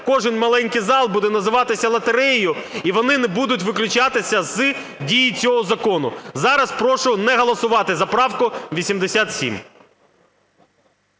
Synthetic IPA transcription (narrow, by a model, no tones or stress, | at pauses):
kɔʒɪnʲmɐlˠɛnʲkɪjzɑlˠbud̪ɛnɐzɪʋɑt̪ɪsʲɐlˠɐt̪eɾɛjjʊiʋɔnɪnɛbud̪ʊtʲʋɪklʲʊt͡ʃɑt̪ɪsʲɐzɨ | dʲijit͡sʲɔɦɔzɐkɔnʊ̰zɑɾɐspɾɔʃʊnɛɦɐlˠɐsʊʋɑt̪ɪzɐpɾɑwkʊʋʲisʲimd̪esʲat̪sʲḭm